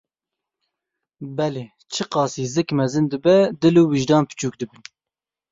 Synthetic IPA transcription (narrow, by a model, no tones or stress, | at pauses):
bɛleː | t͡ʃʰɨqɑːsiːzɨkmɛzɨnd̪ɨbɛd̪ɨluːwiʒd̪ɑːnpɨ̥t͡ʃʰuːk̚d̪ɨbɨn